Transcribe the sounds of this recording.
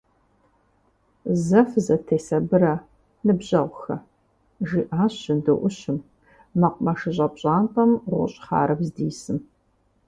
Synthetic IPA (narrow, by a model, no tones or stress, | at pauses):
zɐfzɐtʰeːsɐbɨɾɐ | nɨbʑɐʁʷʊxɐ̰ | ʒiːʔaːɕɪndɨʔʷʊɕɪm | mɐqʷʊmɐʂɨʑʼɐpɕʼaːnqʼɐmʁʷʊ̰ɕʼχa̰ːɾɐbzdiːsɨm